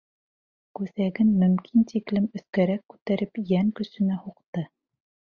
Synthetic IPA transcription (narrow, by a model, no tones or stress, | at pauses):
kʉθæɡɘnmɵ̆mkʰint̪iklɘmɵ̆θkæɾækːʉ̥t̪æɾɘpjæŋkɵ̆sɵ̆næhuqt̪ɤ